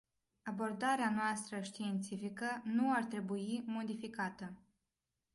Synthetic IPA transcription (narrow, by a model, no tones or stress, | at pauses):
abo̞rd̪aɾeanoast̪ɾəʃt̪iːnt̪sifikənuart̪ɾe̞buimo̞d̪ifikat̪ə